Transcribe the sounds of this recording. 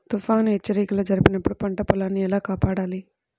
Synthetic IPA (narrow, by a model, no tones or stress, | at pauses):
t̪ufaːnet͡ʃːɐɾiːkɐlɐːd͡ʒɐɾipinɐpːuɽupɐɳʈɐpɔlaːnːiɛlaːkaːpaːɽaːli